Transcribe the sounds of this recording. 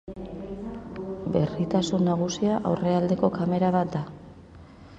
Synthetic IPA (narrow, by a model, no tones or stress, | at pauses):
be̞rit̪asunːaɣ̞usiaʔawre̞ald̪e̞ko̞kame̞ɾaβat̪̚d̪a